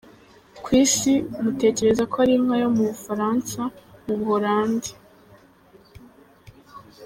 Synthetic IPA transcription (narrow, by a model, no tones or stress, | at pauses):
kwiːsimute̞ːce̞ɾe̞zakoaɾimŋajo̞muβufaɾaːnsamuβɡoɾaːndi